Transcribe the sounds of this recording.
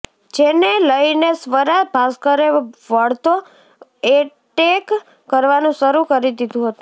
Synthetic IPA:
d͡ʒeneləjnesʋəɾabʱaskəɾeʋəɭt̪o | e | ʈekː | əɾʋanũʃəɾukəɾid̪id̪ũɦət̪ũ

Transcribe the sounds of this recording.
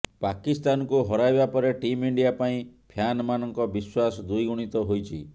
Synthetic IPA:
pakist̪anɔkuɦɔɾajbapɔɾeʈimiɳɖijapaĩpʰjanɔmanɔŋkɔbiswasɔd̪ujɡuɽ̃it̪ɔɦojt͡ʃʰḭ

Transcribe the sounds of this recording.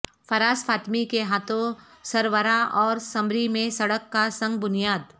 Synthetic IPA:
fʰɐɾaːsfaːt̪mikeɦaːt̪õ | sɐɾʋəɾaʔɔːɾsɐ̃mɾimẽsɐɽəkːasɐ̃ŋɡ̚bʊnijaːd̪

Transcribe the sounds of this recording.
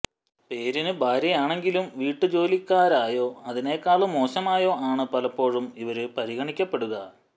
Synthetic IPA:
pe̞ːɾinɨbʱaːɾjɐjaːɳe̞ŋɡilumʋiːʈːɨd͡ʑo̞ːlikʲːaːɾaːjo̞ːɐðine̞ːkːaːɭɨmo̞ːɕɐmaːjo̞ːʔaːɳɨpɐlɐpːo̞ːɻumiʋɐɾɨpɐɾiɣɐɳikʲːɐpːe̞ɽuɣɐ

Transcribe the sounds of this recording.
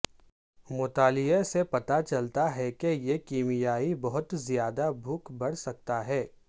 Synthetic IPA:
mʊt̪aːlɪjesepɐt̪at͡ʃɐlt̪aɦɛkejekiːmɪjaːibɐɦʊt̪zijaːd̪abʱʊkbɐɽ̤sɐk̚t̪aɦɛː

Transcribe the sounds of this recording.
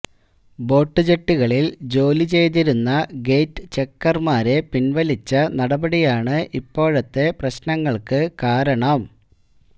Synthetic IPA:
bo̞ːʈːɨd͡ʑeʈːiɣɐɭild͡ʑo̞ːlit͡ɕe̞jt̪̬iɾunːɐɡe̞jʈːɨ̥t͡ɕe̞kːɐrmaːɾe̞pinʋɐlit͡ɕːɐnɐɽɐbɐɽijaːɳɨʔipːo̞ːɻɐt̪ːe̞prɐɕnɐŋːɐɭkɨkaːɾɐɳɐm

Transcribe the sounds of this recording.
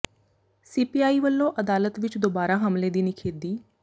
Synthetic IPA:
siːpiːaːiːʋəlːõːʔəd̪aːlət̪ʋɪt͡ʃd̪oːbaːɾaːɦəmleːd̪iːnikʰeːd̪iː

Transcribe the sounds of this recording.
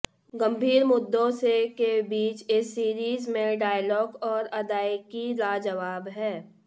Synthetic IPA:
ɡɐ̃mbʱiːɾmʊd̪ːõsekebiːt͡ʃɪsːiːɾiːzmẽɖaːjlɔːɡɔːɾɐd̪aːjkilaːd͡ʒɐʋaːbɦɛː

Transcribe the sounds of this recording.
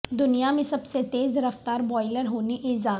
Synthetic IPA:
d̪ʊnijamẽsɐbset̪eːzɾəft̪aːɾbɔːɪləɾɦoːniʔɪzaː

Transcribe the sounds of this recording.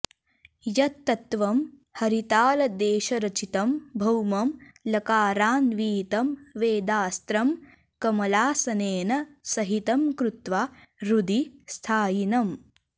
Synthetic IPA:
jɐt̪ːɐt̪ʋɐm | hɐɾit̪aːlɐd̪eːʃɐɾɐt͡ʃit̪ɐmbʱɐwmɐmlɐkaːɾaːnʋiːt̪ɐmʋeːd̪aːst̪ɾɐm | kɐmɐlaːsɐneːnɐsɐɦit̪ɐmkɾut̪ʋaːɾud̪ist̪ʰaːjinɐm

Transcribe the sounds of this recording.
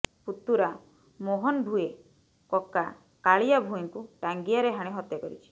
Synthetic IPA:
put̪ːuɾa | moɦɔnbʱue | kɔka | kaɭijabʱuiŋkuʈaŋɡiaɾeɦaɽ̃eɦɔt̪jakɔɾit͡ʃʰi̥

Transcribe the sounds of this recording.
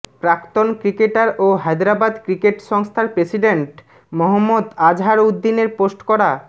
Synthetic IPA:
pɾakt̪onkɾikeʈaɾoɦajd̪ɾabad̪kɾikeʈʃɔŋst̪ʰaɾpɾesiɖeɳʈ | mɔɦomːod̪ad͡ʑʱɦaɾud̪ːineɾposʈkɔɾa

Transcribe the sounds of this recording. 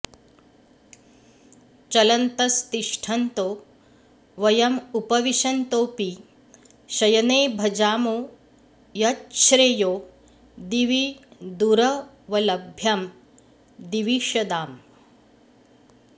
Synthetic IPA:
t͡ʃɐlɐnt̪ɐst̪iʂʈʰɐnt̪oː | ʋɐjɐmupɐʋiʃɐnt̪oːpi | ʃɐjɐneːbʱɐd͡ʒaːmoː | jɐtʃɾeːjoː | d̪iʋid̪uɾɐ | ʋɐlɐbʱjɐm | d̪iʋiʃɐd̪aːm

